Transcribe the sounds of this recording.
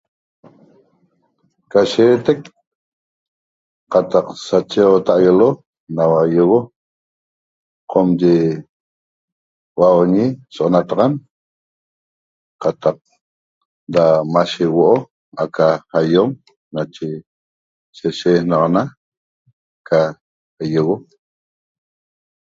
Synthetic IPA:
kaʃeːt̪ek | qat̪aqsat͡ʃeot̪aʔɣelo | nawajoɣo | qʰomd͡ʒe | wawoɲisoʔonat̪aʁan | qɑt̪ɑq̚ | damaʃewoʔo | akahajom | nat͡ʃe | seʃehnɑʁɑna | kʰa | jeɣo

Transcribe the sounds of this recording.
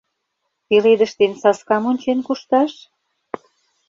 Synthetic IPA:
t̪iled̪ə̆ʃt̪ensɑskɑmonʲt͡ɕenkuʃt̪ɑʃ

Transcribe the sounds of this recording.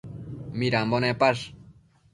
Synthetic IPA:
miɾambonepaʂ

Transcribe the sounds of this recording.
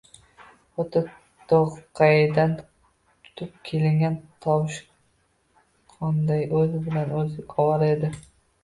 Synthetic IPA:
ot̪ʰa | t̪oʁqʰɑjɪd̪an | t̪ʰʊ̥t̪ʰɪp̚kʲʰe̞lɪŋɡʲant̪ʰɒwɪʃ | qʰɒnd̪ajɵzɪbɪlanɵzɪkʰɒwɑɾe̞d̪ɪ

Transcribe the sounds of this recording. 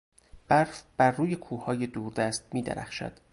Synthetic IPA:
b̥æɾfb̥æɾːuːjekʰuːhɒːjed̪uːɾd̪æst̪̚miːd̪ḛɾæ̰χʃæ̰d̪̥

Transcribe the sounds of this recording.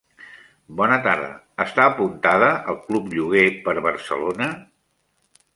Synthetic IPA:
bɔnət̪aɾðə̰ːst̪aːpunt̪aðəʔəlˠklupʎuɣ̞epəɾβəɾsə̰lonə

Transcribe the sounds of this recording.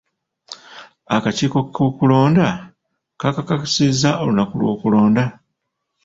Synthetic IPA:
akaciːko̞kʰokulo̞ːnda | kakakaksizaʔolunakulwo̞̰ːkulo̞ːnda

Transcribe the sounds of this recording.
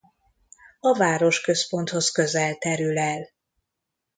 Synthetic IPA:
ɒvaːɾo̞ʃkø̞spo̞nt̪ho̞skø̞zɛlt̪ɛɾylɛl

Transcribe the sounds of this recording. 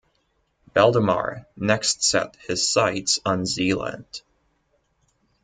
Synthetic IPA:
b̥ɛlˠdəmɑ̰ɹnɛkstsɛ̰t̚hɨz̥saɪtsn̩zilˠə̰̃nd̥

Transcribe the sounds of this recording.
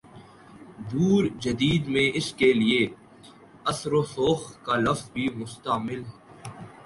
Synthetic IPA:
d̪uːɾd͡ʒɐd̪iːd̪mẽːɪskelie | ɐsɾosoːxkaːlɐfzbʱimʊst̪aːmɪlɦɛ

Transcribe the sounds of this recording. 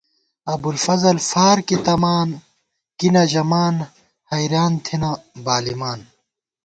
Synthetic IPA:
ɐbulfɐzɐlfaːɾkit̪ɐmaːn | kinɐʑɐmaːn | hɐjɾaːnt̪ʰinabaːlimaːn

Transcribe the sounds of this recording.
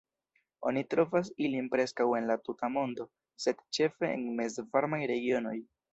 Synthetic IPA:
o̞̰nitɾo̞vas̬ilinpɾe̞skawe̞nlatutamo̞ndo̞ | se̞d̥t͡ʃe̞fe̞̰ːnme̞zvaɾmajɾe̞ɡio̞no̞j

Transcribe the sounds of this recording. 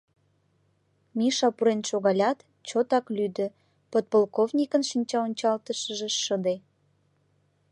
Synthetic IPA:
miʃɑpuɾenʃoɣɑlʲɑt̪ | t͡ɕot̪ɑklyd̪ə̆ | pot̪̚polˠkovnʲikənʃənʲt͡ɕɑonʲt͡ɕɑlt̪əʃəʒeʃəd̪e

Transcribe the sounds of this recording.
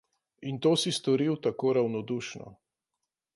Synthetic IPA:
int̪oːsist̪ɔɾiwt̪akoːɾawnɔd̪uːʃnɔ̰

